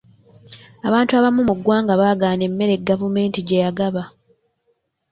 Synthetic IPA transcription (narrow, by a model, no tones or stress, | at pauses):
aβaːntuaβamumuɡwaːŋɡaβaːɡaːne̞mːe̞ɾe̞ɡːavume̞ːntiɟejaɡaβa